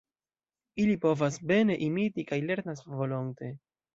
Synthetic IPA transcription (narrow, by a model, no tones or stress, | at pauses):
ilipo̞vasbe̞ne̞ʔimitikajle̞ɾnasvo̞loŋte̞